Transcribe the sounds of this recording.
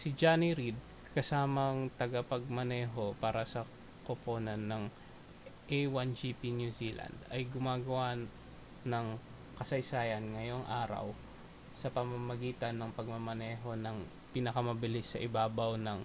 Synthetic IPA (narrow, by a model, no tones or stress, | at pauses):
sɪd͡ʒaniɾid̪̚ | kɐsaːmɐŋt̪ɐɡɐpɐɡ̚mɐnɛːɦo̞paːɾɐsɐ | kopo̞ːnɐnːɐŋ | ʔejwand͡ʒipinjuziːlʔɐ̰nd̪ɐjɡʊmaːɡɐwa | nɐŋ | kɐsɐjsaːjɐnŋɐjo̞ŋʔaːɾɐ̰w | sɐpɐmɐmɐɡiːt̪ɐnːɐŋpɐɡ̚mɐmɐnɛːɦo̞nɐŋ | piːnɐkɐmɐbɪlɪsːɐʔɪbaːbɐwnɐŋ